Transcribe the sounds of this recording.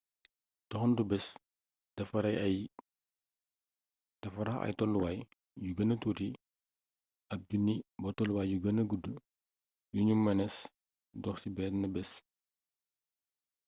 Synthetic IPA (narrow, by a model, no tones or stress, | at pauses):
tɔxndubɛs | d̥ɐfɐɾɐjɐj | d̥ɐfɐɾɐxɐ̰jtɔlːuwaj | juɡɐnɐtuːti | ɐp̚dunːibɔtɔluwaːjjuɡɐnɐɡudu | juɲumːɐnɛs | dɔxsibɛtnɐbɛs